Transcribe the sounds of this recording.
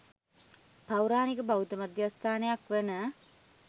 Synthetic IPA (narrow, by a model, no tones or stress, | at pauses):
pawɾaːnikəbaut̪əmad̪jast̪ʰaːnejakʋenə